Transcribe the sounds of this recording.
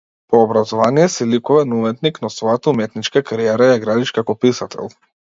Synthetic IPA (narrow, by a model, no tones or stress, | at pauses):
pɔːbɾazɔvanijɛsɛlikuvɛnumɛt̪niknasvɔjat̪aumɛt̪nit͡ʃkakaɾijɛɾajaɡɾad̪iʃkakɔpisat̪ʰɛ̰lˠ